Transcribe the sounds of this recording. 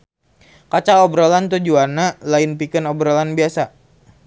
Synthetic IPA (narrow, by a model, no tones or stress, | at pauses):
kat͡ʃaɔbɾolant̪ud͡ʒuanalainpikənɔbɾolanbiasa